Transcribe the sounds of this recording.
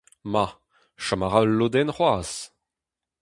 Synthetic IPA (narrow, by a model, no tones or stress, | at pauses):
ma | ʃamaʁalːod̪ɛnχwaːs